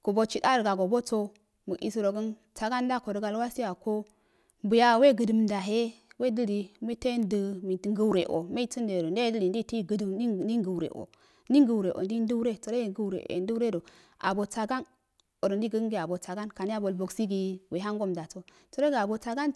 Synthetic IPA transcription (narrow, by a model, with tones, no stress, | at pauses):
ku˨bo˦t͡ʃi˦da˦ɾɡa˨ɡo˨bo˦t͡so˦ | mə˨ḭ˨si˨ɾo˨ɡə˦n | t͡sa˨ɡa˦n˦da˦ko˨ɾə˦ɡa˨lwa˦si˦ja˨ko˦ | bu˨ja˨we˦˨ɡə˨də˨mda˨ɦe˦we˦də˦li˨mi˦te˦ndə˨mi˨ti˨ŋɡə˦˨ɾe˨ʔo̰˨me˦i˦t͡si˦nde˨ɾo˨n˦de˦də˦li˨n˦di˦ti˦ɡə˨di˦ɡə˨ɾḛ˨ʔo̰˨ | ndi˦ŋ˦ɡə˨ɾe˨ʔo̰˨n˦di˦n˦du˦ɾe˦tə˨ɾe˦˨ɡə˦˨ɾḛ˨ḛ˨ndu˦ɾe˦do˨ | a̰˨bo˨t͡sa˨ɡa˦n | o˨ɾndi˦ɡə˦ŋɡi˦˨a˨bo˨t͡sa˨ɡa˦nka˨ni˦a˦bo˨lbo˨ksi˦ɡi˨we˨ɦa˦ŋ˦ɡo˦mda˨t͡so˨ | to˦ɾo˦ɡa˨bo˨t͡sa˦ɡa˦n